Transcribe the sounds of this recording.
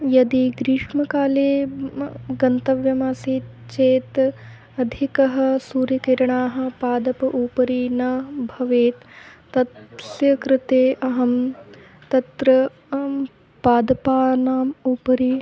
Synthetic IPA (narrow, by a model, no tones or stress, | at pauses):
jɐd̪iɡɾiʂmɐkaːleː | ɡɐnt̪ɐʋjɐmaːsiːt̪ | t͡ʃeːt̪ | ɐd̪ʱikɐɦɐ̆suːɾɐkiɾɐɳaːɦɐ̆paːd̪ɐpɐʔuːpɐɾiːnɐbʱɐʋeːt̪ː | ɐt̪sjɐkɾɪt̪eːʔɐɦɐm | t̪ɐt̪ɾɐ | paːd̪ɐpaːnaːmuːpɐɾi